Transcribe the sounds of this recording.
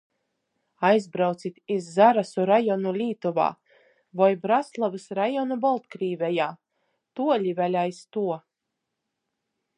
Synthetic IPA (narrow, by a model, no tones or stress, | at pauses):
ajzbɾawt̪sit̪izːaɾasuɾajɔnulʲiːt̪uva̰ː | vɔjbɾaslˠavɨsɾajɔnubɔlˠt̪kɾiːvʲɛjaː | t̪uɔlʲivʲælʲajst̪uɔ